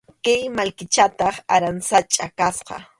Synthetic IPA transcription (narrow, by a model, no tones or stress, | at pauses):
kajmalkɪt͡ʃat̪ɑχaɾansat͡ʃʼakasqɑ̰